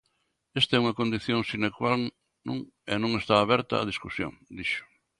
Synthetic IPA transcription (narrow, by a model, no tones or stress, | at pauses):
est̪ɐɛuŋɐkond̪iθjõŋsinekwal | nũŋ | enõŋest̪aːβɛɾt̪ɐ̰a̰ðiskusjo̰ŋd̪iʃʊ̥